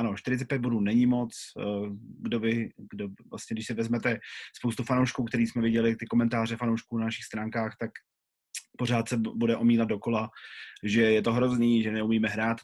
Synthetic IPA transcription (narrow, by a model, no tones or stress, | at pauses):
ʔano̞ʃt̪ɪɾɪt͡sɛt̪̚pjɛt̪boduːnɛɲɪmo̞t͡s | ɡdovɪɡdovla̰stɲɛɡdɪʃsɪvɛzmɛt̪ɛspowst̪ufanowʃkuːkt̪ɛɾiːsmɛvɪɟɛlɪt̪ɪkomɛnt̪aːr̝ɛfanowʃkuːnanaʃɪxst̪ɾaːŋkaːxt̪ak | po̞ɾaːt̪sɛbudɛʔo̞miːlad̪̚do̞ko̞laʒɛjɛt̪o̞ɦɾo̞zniːʒɛnɛumiːmɛɦɾaːt̪